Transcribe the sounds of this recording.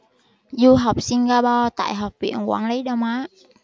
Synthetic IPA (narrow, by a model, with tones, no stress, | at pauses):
zu˧ɦə˨˩wk͡p̚si˧ŋɣaː˧pɔ˧t̪a̰ː˧˨jɦɔ˨˩wk͡p̚vḭ˧˨ənkwaː˧˩nli˨˦jɗɔ˧wmaː˨˦˥